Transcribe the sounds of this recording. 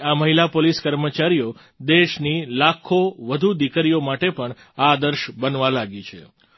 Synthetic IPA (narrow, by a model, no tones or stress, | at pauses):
aməɦilapoliskəɾmət͡ʃaɾijo | d̪eʃnilakʰoʋəd̪ʱud̪ikəɾijomaʈepəɳ | aːd̪əɾʃbənʋalaɡit͡ʃʰḛ